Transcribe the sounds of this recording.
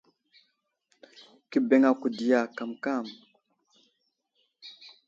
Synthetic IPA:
ki˦be˨˦ŋa˨ku˨di˨ja˨ka˨mka˦˨m

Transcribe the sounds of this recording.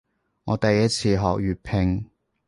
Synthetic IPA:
ŋɔː˨˧t̪ɐ˨jɐ˥t̚t͡sʰiː˨˧ɦɔː˨k̚jyː˨˩t̚pʰɪ˧ŋ

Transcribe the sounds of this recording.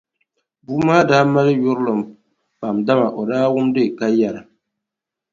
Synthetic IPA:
buː˦maː˦daː˦ma˦lɨ˦jʊ˦ɾlɨ˨m˨ | pa˨mda˦ma˨ʔo˨daː˦wʊ˦mde˦˨ka˦ja˨la˨

